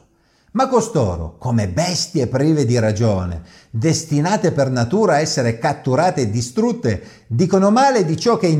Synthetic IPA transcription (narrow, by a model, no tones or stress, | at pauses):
makːost̪o̰ːɾo̰komebɛst̪jepɾiːved̪iɾad͡ʒoːnḛ | d̪est̪inaːt̪epernat̪uːɾaːɛsːeɾekat̪ːuɾaːt̪eːd̪ːist̪ɾut̪ːe | d̪iːkonomaːled̪it͡ʃɔk̟ːein